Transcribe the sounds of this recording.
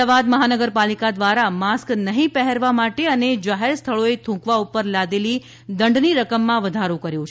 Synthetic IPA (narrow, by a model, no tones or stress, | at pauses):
aʋad̪məɦanəɡəɾpalikad̪ʋaɾamasknəɦĩpɛɦɛɾʋamaʈeəned͡ʒaɦeɾst̪ʰəɭoet̪ʰũkʋaupəɾlad̪eli | d̪əɳɖniɾəkəmːãʋəd̪ʱaɾokəɾjũt͡ʃʰ